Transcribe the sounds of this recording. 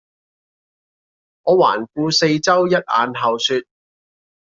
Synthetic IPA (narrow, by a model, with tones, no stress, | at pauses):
ŋɔː˨˧wa̰ː˨˩nkuː˧se˧jt͡sɐ˥wjɐ˥t̚ʔa̰ː˨˧nɦɐ˨wsyː˧t̚